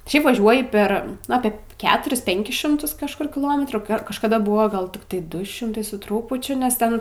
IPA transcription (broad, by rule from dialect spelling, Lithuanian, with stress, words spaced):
ˈʃʲɛɪp ʋɐˈʒʲuɔjɪ ˈpʲɛr nʊ ˈɑːpʲeː ˈkʲæːtʊrʲɪs ˈpʲɛŋʲkʲɪs ˈʃʲɪmtʊs kɐʃˈkʊr kʲɪˈlˠoːmʲɛtruː kɐʃkɐˈdɐ ˈbʊʋoː ˈɡɐlˠ tʲɪkˈtɐɪ ˈdʊ ˈʃʲɪmtɐɪ sʊ ˈtruːpʊt͡ʃʲʊ nʲɛs ˈtʲɛn